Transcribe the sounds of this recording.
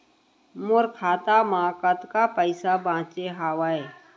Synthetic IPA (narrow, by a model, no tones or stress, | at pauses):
mʊɾkʰaːt̪amãːkət̪kapəɪsabãːt͡ʃeɦaːʋae